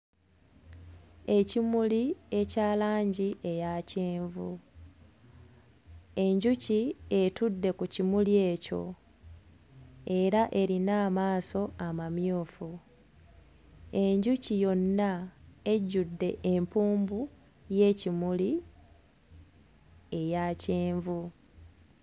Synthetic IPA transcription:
e̞cimulie̞caːlaːɲɟiʔe̞jaːceːɱvu | e̞ɲɟucie̞tudːe̞kucimulje̞ːco̞̰ | e̞ɾaʔe̞ɾinaːmaːso̞amamjuːfu | e̞ɲɟucijo̞nːae̞ɟːudːe̞ʔempuːmbu | je̞ːcimuli | e̞jaːceːɱvu

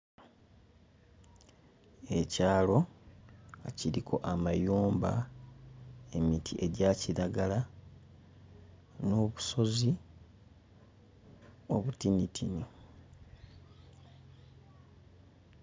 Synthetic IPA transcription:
e̞caːlo̞ | ciɾikʰo̞ʔamajuːmba̰ | e̞mitʰiʔe̞ɟaciɾaɡala | no̞βuso̞zi | oβutinitʰino

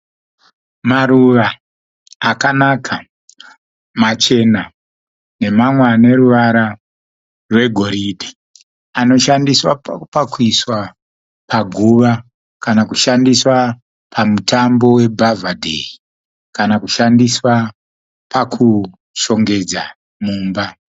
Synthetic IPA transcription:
maɾuʋaː | kanakʰa | mat͡ʃe̞na | ne̞mamwane̞ɾuʋaɾa | rwe̞ɡʱo̞ɾiːdʱi | ano̞ʃandiswapakuiswa | paɡʱuʋa | kanakuʃandiswa | pʰamutambo̞we̞bʱavadʱḛi | kanakuʃandiswa | pakʰu | ʃo̞ŋɡe̞d͡za | muːmba

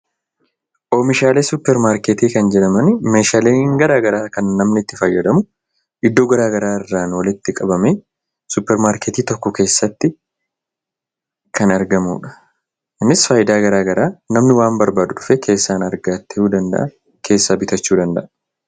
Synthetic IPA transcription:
ʔo̞ːmɪʃaːle̞ːsʊpːɛɾmaːɾkeːt̪iːkɐnd͡ʒɛᶑɐmɐnme̞ːʃaːle̞ːŋɡɐɾaːɡɐɾaːkɐnːɐmnɪt̪ːɪfɐjːɐd̪ɐmʊ | ʔɪd̪ːo̞ːɡɐɾaːɡɐɾaːɪrːaːnwɐlɪt̪ːɪkʼɐbɐmeː | sʊpːɛɾmaːɾkeːt̪iːt̪ɔkːɔke̞ːsːɐt̪ːɪ | kʰɐnɐɾɡɐmṵːᶑɐ̥ | ʔɪnːɪsfaːjɪd̪aːɡɐɾaːɡɐɾaːnɐmnɪwaːmbɐɾbaːd̪ʊᶑʊfeːkʰe̞ːsːaːnɐɾɡaːt̪ːɐhuːd̪ɐnd̪ɐ̰ʔɐ | kʰe̞ːsːaːbɪt̪ɐt͡ʃːuːd̪ɐnd̪ɐ̰ʔɐ

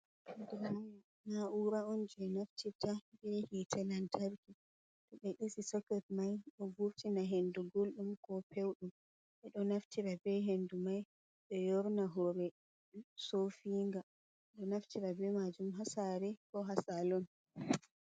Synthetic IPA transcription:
ɛndumaj | naʔuɾaɔnd͡ʒɛnaftʰiɾtabɛhitʰalantʰaɾki | tɔɓɛɗisisɔkːɛtmajɗɔvuɾtinaɦenduɡolɗumkɔpewɗum | ʔɛɗɔnaftʰiɾabɛɦendumaj | ɗɔjɔɾnaɦɔɾɛ | sofiŋɡa | ɗɔnaftiɾabɛmad͡ʒumɦasaɾɛkɔɦasalɔn

